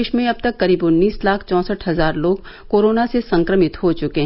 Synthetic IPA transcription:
ʃmẽɐb̚t̪ɐkkːɐɾiːbʊnːiːslaːkʰt͡ʃɔ̃ːsəʈʰɦɐzaːɾloːɡ | koːɾoːnasesɐ̃ŋkɾəmɪt̪ɦot͡ʃʊkeɦ

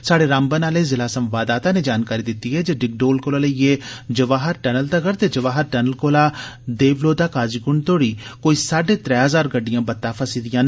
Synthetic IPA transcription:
saːɖeːɾãːmbənaːleːzɪlaːsəmʋaːd̪aːt̪ãːneːd͡ʒaːnkaːɾiːd̪ɪt̪ːiːɦɛːd͡ʒeːɖɪk̚ɖoːlkoːlaːləijeːd͡ʒəʋaːɦəɾʈɛːnəlt̪əɡəɾt̪eːd͡ʒəʋaːɦəɾʈɛːnəlkoːlaːd̪eːʋloːd̪aːkaːd͡ʒiɡʊɳt̪oːɽiːkoːiːsaːɖeːt̪ɾɛːɦəzaːɾɡəɖːijãːbət̪ːaːpʰəsiːd̪ɪjãːn

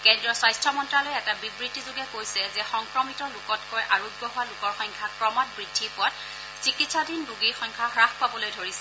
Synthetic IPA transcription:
kɛndɹɔswajstʰɔmɔntɹalɔjɛtabibɹidʱizʊɡɛkojsɛzɛxɔŋkɹɔmitɔlʊkɔtkɔjʔaɹoɡjɔɦʊwalʊkɔɹxɔŋkʰakɹɔmat̚bɹidʱːipʊwat̚ | sikitsadʱinbuɡixɔŋkʰaxɹaxpabɔlojdʱoɹisɛ

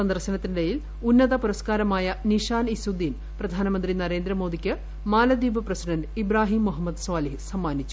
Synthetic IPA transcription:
sɐnd̪ɐrɕɐnɐt̪ːindejil | unːɐðɐpuɾɐskaːɾɐmaːjɐniʂaːnisud̪iːn | prɐd̪ʱaːnɐmɐnd̪rinɐɾe̞ːnd̪ɾɐmo̞ːd̪ikʲːɨ | maːlɐd̪iːʋɨprɐsiɖɐnɖibɾaːɦiːmːuɦɐmːɐd̪sʋaːliɦsɐmːaːnit͡ɕːu

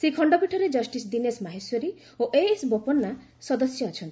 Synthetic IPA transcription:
sikʰɔɳɖɔpiʈʰɔɾed͡ʒɔsʈisd̪inesmaɦesjɔɾi | oʔesbopɔnːa | sɔd̪ɔsjɔːt͡ʃʰɔnt̪ʰi̥

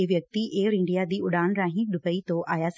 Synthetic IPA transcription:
eʋjɐk̚t̪ieːɾɪ̃ɳɖijad̪iːʊɗaːɽ̃ɾaːɦĩɗʊpəit̪oʔʔaːjas

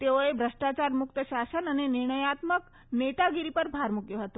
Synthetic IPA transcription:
t̪eʋojebʱɾəʂʈat͡ɕaɾmuk̚t̪əɕasənəneniɾɳ̃əjat̪mək | net̪aɡiɾipəɾbʱaɾmukjəɦət̪o

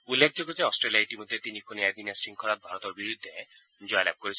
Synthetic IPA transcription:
ulːek̚ʰd͡ʒoɡod͡ʑeɔsʈɾeliaiʈimod̪ʱːet̪inikʰoniɛd̪inasɾiŋkʰɔɾat̪̚bʱaɾɔt̪ɔɾbiɾud̪ʱːe | d͡ʑɔjlɛ̰b̚koɾit͡ɕʰ

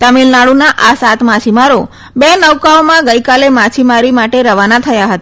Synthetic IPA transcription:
t̪əmilnaɭunaʔasat̪mat͡ʃʰimaɾo | benəwkaomãɡəjkalemat͡ʃʰimaɾimaʈeɾəʋanat̪ʰəjaɦət̪a

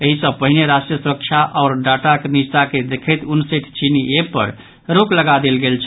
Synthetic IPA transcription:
eɦisə̃b̚pəɦineɾasʈɾijəsuɾəkt͡ʃʰaʔɔɾɖaʈakenist̪aked̪ekʰɛt̪unseʈʰt͡ʃiniepə̰ɾ | ɾokləɡad̪elɡelt͡ʃʰ

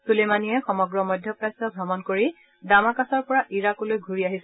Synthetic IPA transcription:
sulemanijɛxɔmɔɡɹɔmɔjdʱjɔpɹasɔɡʱɹɔmɔnkoɹi | damakasɔɹpɔɹaʔiɹakulojɡʱuɹiaɦis

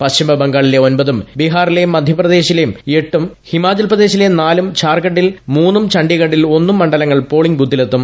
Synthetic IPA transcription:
pɐɕimbʱɐbɐŋɡaːɭile̞o̞nbɐðumbiɦaːrilejumːɐd̪ʱjɐprɐd̪e̞ːɕilejume̞ʈːum | himaːt͡ɕɐlprɐd̪e̞ːɕilenaːlumt͡ɕaːrkɐʈːilmuːnːumt͡ɕɐɳɖiɣɐɳɖːilo̞nːumːɐɳɖɐlɐŋːɐɭpo̞ːɭiŋɡbuːd̪ʱːile̞t̪ːum

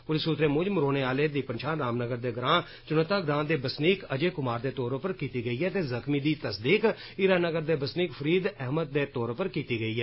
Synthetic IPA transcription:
pʊlɪsut̪ɾeːmʊd͡ʒmɾoːneːaːleːd̪iːpənʃʰãːɾaːmnəɡəɾd̪eːɡɾãː | t͡ʃʊnət̪ːaːɡɾãːd̪eːbəsniːkəd͡ʒeːkʊmaːɾd̪eːt̪ɔːɾpəɾkiːt̪iːɡəiːɦɛːt̪eːzəkʰmiːd̪iːt̪əsd̪iːk | iːɾaːnəɡəɾd̪eːbəsniːkpʰəɾiːd̪ɛɦməd̪̚d̪eːt̪ɔːɾpəɾkiːt̪iːɡəiːɦɛː

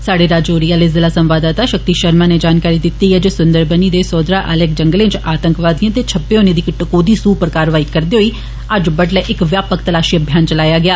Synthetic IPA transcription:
saːɽeːɾaːd͡ʒoːɾijaːlɪːzɪlaːsə̃mʋaːd̪aːt̪aːʃək̚t̪iːʃəɾmãːneːd͡ʒaːnkaːɾiːd̪ɪt̪ːiːɦɛːd͡ʒeːsʊnd̪əɾbəniːd̪eːsɔːd̪ɾaːʔəlek̚d͡ʒəŋɡəlẽːt͡ʃaːt̪əŋkʋaːd̪ĩãːt̪eːt͡ʃʰəpːeːoːnẽːd̪iːkʈəkoːd̪iːsuːpəɾkaːɾʋaːiːkəɾd̪eːɦoiː | əd͡ʒbəʈlɛːʔɪkʋjaːpək̚t̪əlaːʃiːəbʱjaːnt͡ʃəlaːjaːɡɪaː

